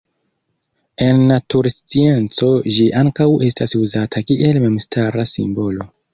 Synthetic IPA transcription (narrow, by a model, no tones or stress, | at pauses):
e̞nːatuɾst͡sie̞nt͡so̞d͡ʒiʔaŋkawe̞stasuzatʰakiʔe̞lme̞mstaɾasḭmbo̞lo̞